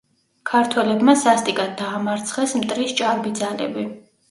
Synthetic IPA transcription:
kʰaɾt̪ʰwɛlɛbmasast̪ʼikʼad̪̚aːmaɾt̪sʰχɛsmt̪ʼɾist͡ʃʼaɾbid̪zalɛ̰bi

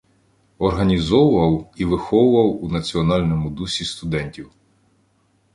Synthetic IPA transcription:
ɔrɦɐnʲizɔwʊʋɐwiʋɪxɔwʊʋɐwunɐt͡sʲiɔnɑlʲnɔmʊd̪usʲist̪ʊd̪ɛnʲtʲiw

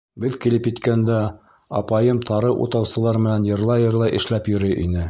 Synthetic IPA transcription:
bɘðkilɘpjɘ̆t̪kænd̪æ | ɑ̰pɑjɤmt̪ʰɑɾɤʔṵt̪ɑwsɤ̆lˠɑɾmɘ̆nænjɤ̆ɾlˠɑjɤ̆ɾlˠɑjʔɘ̰̆ʃlæpjɵ̆ɾɘjʔḭnɘ

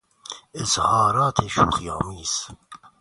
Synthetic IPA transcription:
ezhɑːɾɑːt̪ʰeʃṵːχjɑ̰ːmiːs

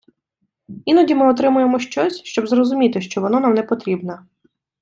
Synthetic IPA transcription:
inɔdʲimɪɔt̪ɾɪmʊjemɔʃt͡ʃɔsʲʃt͡ʃɔbzɾɔzʊmʲit̪ɪʃt͡ʃɔʋɔnɔnamnɛpɔt̪ɾʲibnɐ

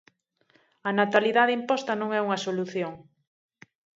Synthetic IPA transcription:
ɐnat̪aliðaðɪimpɔst̪ɐnõŋɛuŋɐsoluθjoŋ

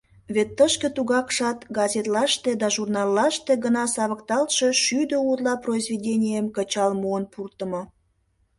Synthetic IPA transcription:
βet̪ːəʃkə̆t̪uɣɑkʃɑt̪ɡɑzʲet̪lɑʃt̪ed̪ɑʒurnɑlːɑʃt̪eɡənɑsɑβəkt̪ɑlʃe̽ʃyd̪əut̪lɑproizvedʲenʲijəmkət͡ɕɑlmuənpurt̪əmo

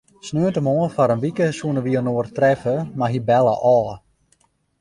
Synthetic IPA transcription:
snøːəntəmoːəfaɾənʋikəsunəʋiənoərtrɛfəmaɦibɛlˠə̰ʔɔː

